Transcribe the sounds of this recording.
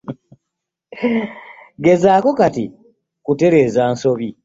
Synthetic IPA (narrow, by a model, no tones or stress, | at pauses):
ɡe̞zaːko̞kati | kute̞ɾe̞ːzaːnso̞βi